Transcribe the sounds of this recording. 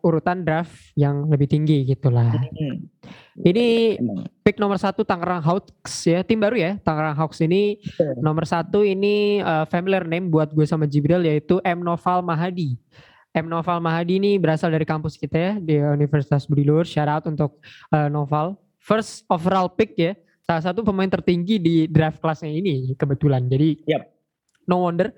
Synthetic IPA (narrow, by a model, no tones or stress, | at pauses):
uɾut̪andɾaf | jaŋləbɪht̪iŋɡiɡit̪ulah | ini | pɪk̚nɔmərsat̪ut̪aŋaɾaŋɦaw | sjat̪ɪmbaɾujat̪aŋaɾaŋɦauksininomərsat̪uiniəfamilirnembuat̪̚ɡuasamad͡ʒibɾiljait̪uʔɛmnofalmaɦadi | ɛmnofalmaɦadiːnibəɾasaldaɾikampʊskit̪ajadiunifərsi̥t̪asbɾilʊrʃaɾat̪unt̪ʊk̚əːnofal | fərsɔfralpɪk̚ja | salas̬at̪upəmaɪnt̪ərt̪iŋɡididɾafklasɲainikəbət̪uland͡ʒadi | nowɔndər